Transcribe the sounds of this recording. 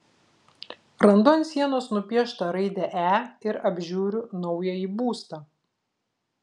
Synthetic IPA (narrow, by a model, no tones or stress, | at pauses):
ɾɐnd̪onʲsʲiɛnoːsnʊpʲiɛʃt̪ɐɾɐɪd̪ʲɛʔæːɪɾɐbʲʒʲuːɾʲʊnɔʊjɛiːbuːst̪ɐː